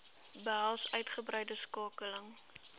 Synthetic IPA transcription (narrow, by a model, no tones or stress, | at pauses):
bəɦælˠsœɥtχəbrɛjdəskɑːkələŋ